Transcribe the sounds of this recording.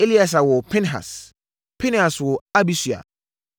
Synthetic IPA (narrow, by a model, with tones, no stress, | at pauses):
e˦li˦a˨s̬a˨wɔ˨pʰɪ̃˦nɦa̰˨s | pʰɛ̃˦n˦ha˨swɔ˨a˦bi˦sɥa̰˨